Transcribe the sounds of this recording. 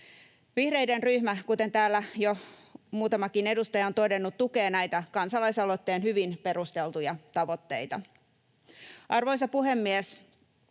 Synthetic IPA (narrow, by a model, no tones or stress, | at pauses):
ʋihre̞jdenryhmækut̪e̞nt̪æːlːæjo | muːt̪ɑmɑkine̞dust̪ɑjɑo̞nt̪o̞de̞nːut̪ːuke̞ːnæjt̪ækɑnsɑlɑjsɑlot̪ːeːnɦyʋinpe̞ɾust̪e̞lt̪ujɑt̪ɑʋo̞t̪ːe̞̰jt̪ɑ | ʔɑrʋo̞js̬ɑpuɦe̞mːies